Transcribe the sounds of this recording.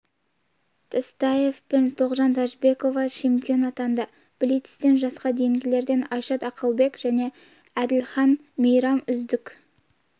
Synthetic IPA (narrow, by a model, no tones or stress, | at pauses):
t̪ʰəst̪ɑje̞fpent̪ʰo̞ʁʒɑnt̪ʰɑʒbe̞ko̞vɑt͡ʃʰe̞mpijo̞nɑt̪ɑnd̪ɑ | b̥ɪlit̪ɪst̪e̞nʒɑsqɑd̪e̞jɪŋɡʲɪle̞ɾd̪e̞nɑjʃɑt̪ɑqʰəlˠbe̞kʒ̥æne̞ | æd̪ɪlχɑn | mejɾɑmʏzd̪ɪkʲ